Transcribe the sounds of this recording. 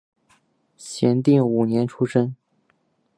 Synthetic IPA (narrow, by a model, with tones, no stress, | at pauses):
ɕjɛ˧˥nt̪i˥˩ŋu˨˩njɛ˧˥nʈ͡ʂʰu˥ʂɤ˥ŋ